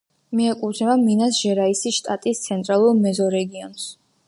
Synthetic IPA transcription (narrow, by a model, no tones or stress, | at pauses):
miɛkʼut̪ʰɛvaminasʒ̥ɛɾaisiʃt̪ʼat̪ʼist̪sʰɛnt̪ʼɾalˠuɾmɛzɔɾɛɡiɔns